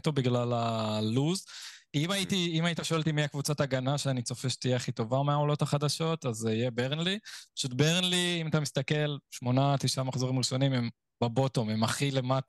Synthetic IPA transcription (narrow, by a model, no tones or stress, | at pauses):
t̪obiɡlalaluzimaitiimaitaʃo̞elt̪imiakvut͡sataɡanaʃeanit͡so̞feʃt̪ijeaχito̞vameaolo̞thaχad̪aʃo̞tazijebeʁnlipḁʃutbeʁnliimat̪amist̪ake̞lʃmo̞nat̪iʃamaχzo̞ʁimʁiʃo̞nimem | babo̞to̞memaχile̞mata